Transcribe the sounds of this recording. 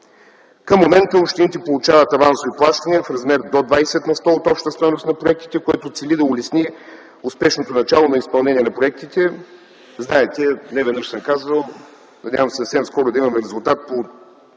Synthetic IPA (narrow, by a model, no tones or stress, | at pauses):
kəmːomɛnt̪əopʃt̪init̪ɛpolˠut͡ʃavɐt̪ɐvansoviplˠaʃt̪ɐniəfɾɐzmɛɾd̪od̪vajsɛt̪nɐst̪ɔot̪ɔpʃt̪əst̪ɔjnosnɐpɾoɛk̚t̪i̥t̪ɛkoɛt̪ot̪sɛlid̪ɐʊlɛsni | ʊspɛʃnot̪onɐt͡ʃalˠonɐispɐlˠnɛnʲiɛnɐpɾoɛk̚t̪it̪ɛ | znaɛt̪ɛnɛvɛd̪nəʃsəmkazvəlˠ | nɐd̪ʲavəmsɐfsɛmskɔɾʊd̪ɐimɐmɛɾɛzulˠt̪at̪̚po